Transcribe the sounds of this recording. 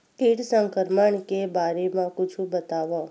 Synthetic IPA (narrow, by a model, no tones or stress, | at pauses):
kiʈsə̃ŋkəɾməɳkebaɾemãkut͡ʃʰũbət̪aʋã